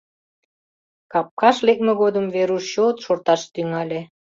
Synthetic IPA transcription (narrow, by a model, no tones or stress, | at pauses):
kɑp̚kɑʃlek̚meɣod̪əmveɾuʃɕot̪ʃort̪ɑʃt̪yŋɑlʲe